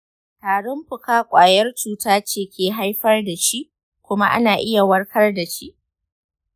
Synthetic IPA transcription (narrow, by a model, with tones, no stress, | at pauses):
taː˨ɽɪ˦mɸʊ˨kaː˦kʷʼaː˨jɐ˦rt͡ʃuː˨taː˦t͡ʃeː˨kʲeː˨ɦa˦jɸɐ˦rda˨ʃi˦ʔ | kʷʊ˦ma˦ʔa̰˦naː˨ʔɪ˦ja˨wɐ˦rkʰɐ˦rda˨ʃi˦ʔ